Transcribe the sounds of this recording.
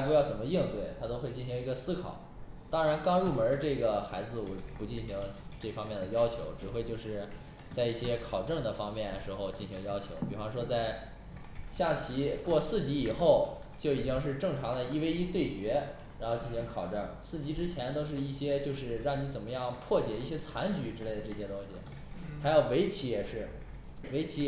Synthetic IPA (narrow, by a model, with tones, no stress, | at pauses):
pu˧˥jɑ˥˩ʊt͡sə˨˩nmə˦ji˥˧ŋt̪we˥˩ɪt̪ʰa˥t̪o˥ʊxwe˥˧ɪt͡ɕi˥˩n˩ɕi˧˥ŋi˧˥ɡə˧sɹ̩˥kʰɑ̰˨˩˦ʊt̪ɑ˥ŋɻa˧˥nkɑ˥ŋɻu˥˩mə˧˥ʈ͡ʂɤ˥˩ɡə˩xa˧˥ɪd͡zɹ̩˧wɔ˨˩pu˧˥t͡ɕi˥˩nɕi˧˥ŋʈ͡ʂɤ˥˩fɑ˥ŋmjɛ˥˩nd̪ə˩jɑ˥ʊt͡ɕʰjo˧˥ʊʈ͡ʂɻ̩˨˩xwe˥˧ɪt͡ɕjo˥˧ʊʂɻ̩˥˧ | t͡sa˥˧ɪi˥˩ɕjɛ˥kʰɑ˨˩ʊʈ͡ʂɤ˥˩ŋd̪ə˩fɑ˥ŋmjɛ˥˩n˩ʂɻ̩˧˥xo˧ʊt͡ɕi˥˩nɕi˧˥ŋjɑ˥ʊt͡ɕʰjo˧˥ʊpi˨˩fɑ˥ŋʂwɔ˥t͡sa˥˧ɪ | ɕja˥˩t͡ɕʰi˧˥kwɔ˥˧sɹ̩˥˩t͡ɕi˧˥i˨˩xo˥˩ʊ | t͡ɕjo˥˩ʊi˨˩t͡ɕi˥ŋʂ̬ɻ̩˥˧ʈ͡ʂɤ˥˩ŋʈ͡ʂʰɑ˧˥ŋd̪ə˧i˥we˥ɪi˥t̪we˥˩ɪt͡ɕɥɛ˧˥ | ɻa˧˥nxo˥˧ʊt͡ɕi˥˩nɕi˧˥ŋkʰɑ˨˩ʊʈ͡ʂɤ˥˩ŋsɹ̩˥˩t͡ɕi˧˥ʈ͡ʂɻ̩˥t͡ɕʰjɛ˧˥nt̪o˥ʊʂ̬ɻ̩˥˧i˥˩ɕjɛ˥t͡ɕjo˥˧ʊʂɻ̩˥˧ɻɑ˥˩ŋni˧˥t͡sə˨˩nmə˦jɑ˥˩ŋpʰwɔ˥˩t͡ɕjɛ˨˩i˥˩ɕjɛ˥t͡sʰa˧˥nt͡ɕy˧˥ʈ͡ʂɻ̩˥le˥˩ɪd̪ə˩ʈ͡ʂɤ˥˩ɕjɛ˥t̪ʊ˥ŋɕḭ˨˩ | xa˧˥ɪjo˨˩ʊwe˧˥ɪt͡ɕʰi˧˥jɛ˨˩ʂɻ̩˥˩ | we˧˥ɪt͡ɕʰi˧˥